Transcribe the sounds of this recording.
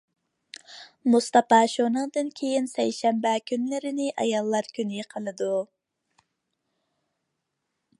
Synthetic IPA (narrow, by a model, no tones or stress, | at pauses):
must̪ɑpɑʃonɨŋd̪ɨnkʲʰejinsɛjʃɛmbɛkʲʰynlɪɾɪnɪʔɑ̰jɑlˠːɑɾkʲʰynjeqʰəlˠɨd̪u